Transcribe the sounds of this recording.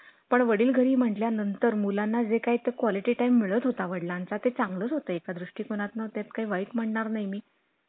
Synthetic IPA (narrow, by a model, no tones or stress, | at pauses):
pəɳʋəɽiːlɡʱəɾiːm̤əɳʈljanənt̪əɾmulanːad͡zekait̪ekʋɔliʈiːʈajmːiɭəːt̪ɦot̪aʋəɽlant͡sat̪et͡sãŋɡləːt̪ɦot̪əːekad̪ɾuʂʈiːkoɽ̃at̪nət̪jat̪kaiʋaiːkm̤əɳɳaɾnajmiː